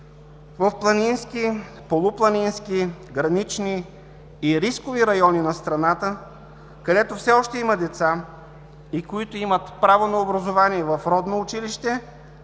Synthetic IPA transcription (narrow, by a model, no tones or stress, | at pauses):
vɐfplˠɐninski | polˠʊplˠɐninskiɡɾɐnit͡ʃniː | ɾiskoviɾɐjɔninɐst̪ɾɐnat̪ə | kɐd̪ɛt̪ofsɛɔʃt̪ɛiməd̪ɛt̪sa | ikoit̪oimət̪pɾavonɐobɾɐzovaniɛvɐfɾɔd̪noːt͡ʃiliʃt̪ɛ